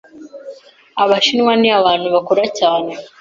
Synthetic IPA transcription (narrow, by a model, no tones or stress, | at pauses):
aβaʃinwaniaβaːnhuβakoɾacaːne̞